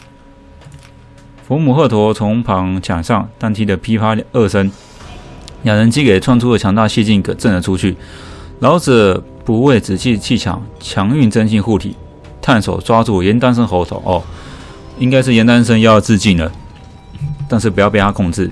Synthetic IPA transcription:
fu˧˥mu˨˩xɤ˥˩t̪ʰwɔ˧˥t͡sʰʊ˧˥ŋpʰɑ˧˥ŋt͡ɕʰja̰˨˩ʂɑ˥˧ŋt̪a˥nt̪ʰi˥d̪ə˨˩pʰi˥pʰa˥ɤ˥˩ʂə˥n | ja˨˩ɻə˧˥nt͡ɕi˥ke˨˩ɪt͡sʰwa˥˩nʈ͡ʂʰu˥də˨t͡ɕʰjɑ˧˥ŋt̪a˥˧ɕɛ˥˧t͡ɕi˥˩nkə˨˩ʈ͡ʂə˥˩nd̪ə˨˩ʈ͡ʂʰu˥t͡ɕʰy˥˩lɑ˧˥ʊt͡s̩˨˩ | pu˧˥we˥˩ɪt͡sɻ̩˨˩t͡ɕʰi˥˧t͡ɕʰi˥˩t͡ɕʰjɑ̰˨˩˦ŋt͡ɕʰjɑ˧˥ŋy˥˩nt͡sə˥nɕi˥˧xu˥˩t̪ʰḭ˨˩˦ | t̪ʰa˥˩nʂo̰˨˩ʊt͡swa˥t͡su˥˩jɛ˧˥nt̪a˥nʂ̬ə˥nxo˧˥ʊt͡sʰo̰˨˩˦ʊʔɔ˥˩ | i˥ŋka˥ɪʂ̬̩˥˩jɛ˧˥nt̪a˥nʂ̬ə˥ŋjɑ˥˧ʊt͡sɹ̩˥˧t͡ɕi˥˩nd̪ə˩ | t̪a˥˧nʂ̬ɻ̩˥˩pu˧˥jpe˥˩t̪ʰa˥˧kʰʊ˥˧ŋt͡sɹ̩˥˩

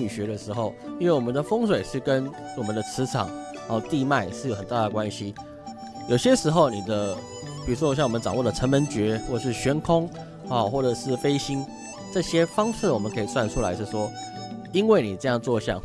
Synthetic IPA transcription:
y˨˩ɕɥɛ˧˥ɾə˨ʂɻ̩˧˥xo˥˩ʊi˥nwe˥˩wɔ˨mə˦nd̪ə˧fɤ˥ŋswe˨˩ɪʂɻ̩˥˩kə˦n | wɔ˨˩mə˨˦nd̪ə˧t͡sʰɻ̩˧˥ʈ͡ʂʰɑ̰˨˩˦ŋ˧˥˧ | t̪i˥˧ma˥˧ɪʂɻ̩˥˩jo˧ʊxə˨˩nt̪a˥˩d̪ə˩kwa˦nɕi˦ | jo˨˩ʊɕjɛ˥ʂɻ̩˧˥xo˥˩ʊni˨˩d̪ə˦ | pi˨˩u˥wɕjwmə˦n˥ʈ͡ʂɑ˨˩ŋwɔ˥˩d̪ə˩ʈ͡ʂʰə˧˥nmə˧˦nt͡ɕɥɛ˧˥xwɔ˥˩˨ʂɻ̩˥˩ɕɥɛ˧˥nkʰʊ˥ŋ | ɔ˥˨xwɔ˥˩ʈ͡ʂɤ˨˩ʂɻ̩˥˩fe˥ɪɕi˥n | ʈ͡ʂɤ˥˧ɕjɛ˥fɑ˥ŋʂɻ̩˥˩wɔ˨˩mə˦nkʰɤ˧˥i˨swa˥˩nʈ͡ʂʰu˥la˧˥ɪʂɻ̩˥˩ʂwɔ˥i˥nwe˥˩ɪni˨˩ʈ͡ʂɤ˥˧jɑ˥˧ŋt͡swɔ˥˧ɕjɑ̰˥˩ŋ

